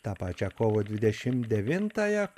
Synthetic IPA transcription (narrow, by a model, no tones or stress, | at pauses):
t̪ɑːpɑːt͡ʃʲɛkoːʋod̪ʲʋʲɪd̪ʲɛʃʲɪmd̪ʲɛʋʲɪnt̪ɑːjɛ